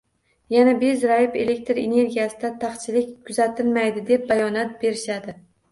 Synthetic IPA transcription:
janabezɾajɪpe̞le̞k̚ʲt̪ɾe̞̰ne̞ɾɡʲijasɪd̪at̪ʰaχt͡ʃʰɪlɪkʲkʰːʊzat̪ʰɪlmajd̪ɪd̪e̞p̚bajɒnat̪̚be̞ɾɪʃad̪ɪ

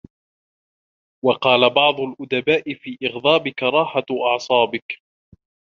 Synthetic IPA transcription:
wɑqɑːlabɑʕd̪ˤʊlʔʊd̪abaːʔɪfiːʔɪɣd̪ˤɑːbɪkɾˤɑːħaʔɑʕsˤɑːbɪk

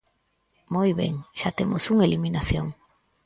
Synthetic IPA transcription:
mojβḛŋʃat̪emʔʊsuŋeliminaθjoŋ

